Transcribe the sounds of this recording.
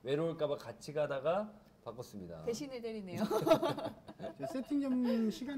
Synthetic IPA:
we̞ɾoɭk͈abakat͡ɕʰiɡadaɡa | pak͈ʌs͈ɯmɲida̰eɕʰinedeɾinejo | t͡ɕʌsʰetʰiŋd͡ʑʌmɕʰiɡa

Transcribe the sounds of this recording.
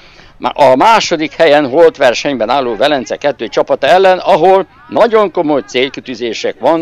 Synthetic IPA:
ɒmaːʃo̞d̪ikhɛjɛnɦolt̪ʋɛrʃɛɲbɛnaːlːoːvɛlɛnt̪sɛ̰kɛt̪ːøːt͡ʃɒpɒt̪ɛlːɛnɒɦol | nɒɟo̞ŋko̞mo̞jt̪seːlkit̪yːzeːʃɛkʋɒn

